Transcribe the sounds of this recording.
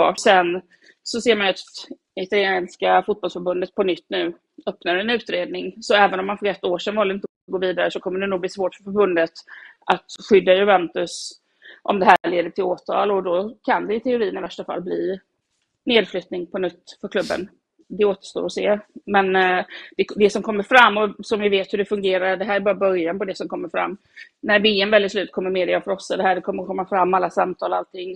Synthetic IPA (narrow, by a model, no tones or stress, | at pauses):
sɛn | sɔseːɾmanat̪ | ɪt̪aljeːnskafʊt̪̚bɔlsfœɾbɵnd̪ət̪̚pʰɔnʏt̪ːnʉ̟ː | œpnaɾɛnʉ̟ːt̪ɾeːd̪nɪŋsɔɛːvənɔmːanfœɾɛt̪ːoːʂɛnvɑləɪnt̪ə | ɡoːviːd̪aɾəsɔkʰɔmːəɖɛnuːɡb̪iːsvoːʈfœɾfœɾbɵnd̪ət̪ʔat̪ɧʏd̪ːajɵvɛnt̪ɵs | ʔɔ̰md̪ɛɦæːɭeːd̪əʈʰɪloːt̪ʰɑ̰ːlɔd̪ɔkʰand̪ɛɪt̪ʰɛʊɾiːnɪvæʂʈafa̰lːbliː | neːd̪flʏt̪nɪŋpʰɔnʏt̪ːfœɾkʰlɵbːə̰n | d̪ɛoːt̪ə̥ʂt̪o̰ːɾɔseːmɛnd̪̥ɛd̪ɛsɔmkʰɔmːəɾfɾamːɔsɔmvɪveːt̪hɵɖɛfɵŋɡeːɾaɾɖɛɦæːɾæbɑːɾabœɾjanpɔd̪ɛsɔmkʰɔmːəɾfɾa̰mː | næɾveːɛmvɛlːɪslʉːt̪kʰɔmːəɾmeːd̪ɪjafœɾɔsːad̪ɛɦæːɖɛkʰɔmːəɾkʰɔmːafɾamːalːasamt̪ʰɑːlalt̪ʰɪŋː